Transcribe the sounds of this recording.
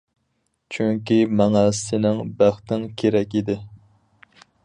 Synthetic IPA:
t͡ʃʰyŋkʲimɛŋɛsɪnɪŋbæχt̪ɪŋkʲʰeɾɛkʲid̪ɪ

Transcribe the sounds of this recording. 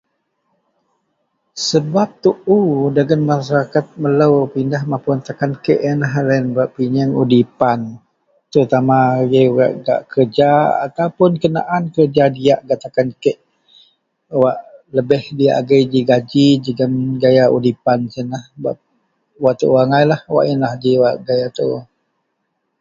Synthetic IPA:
səbap̚t̪uʔudaɡənmasaɾakat̪̚mələwpindahmapunt̪akankəʔənaɦlaənbaʔpiɲəŋudipan | t̪əɾut̪amaɡəɡa̰ʔɡa̰ʔkərd͡ʒaa̰t̪awpʊnkəna̰ʔankərd͡ʒadijaʔɡaʔt̪akankəʔ | waʔləbɪhdija̰ʔɡəjd͡ʒiɡad͡ʒid͡ʒiɡənɡajaʔudipansənahba̰ʔ | waʔt̪ə̰ʔwaŋajlahwa̰ʔənlahdiwaʔɡajat̪ə̰

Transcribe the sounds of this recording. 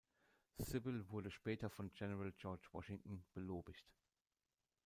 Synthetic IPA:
sɪbɪlvʊɐdəʃpɛːtɐfɔnɡɛnəʁald͡ʒɔɐt͡ʃvɔ̰ʃɪŋtn̩b̥əloːbɪçt

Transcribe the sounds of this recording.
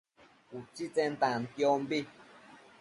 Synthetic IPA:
ut͡ʃit͡sɛ̃n̩t̪ãn̩t̪jɔmbi

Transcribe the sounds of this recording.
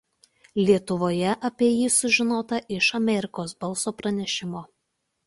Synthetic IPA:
lʲiɛt̪ʊʋoːjɛʔɐpʲiɛjiːsʊʒʲɪnoːt̪ɐʔɪʃɐmʲɛɾʲɪkoːsbɐlˠsoːpɾɐnʲɛʃʲɪmoː

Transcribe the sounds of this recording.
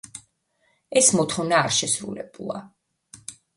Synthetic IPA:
ɛsmɔt̪χɔvnaːɾʃɛsɾṵlɛ̰b̥ulˠa̰

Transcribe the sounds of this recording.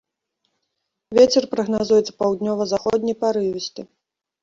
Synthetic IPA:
vʲet͡sʲɛrpɾɐɣnazujɛt̪sɐ̥pawd̪nʲɔvɐzaxɔd̪ʲnʲɐjpaɾɨvʲisʲt̪ʲi

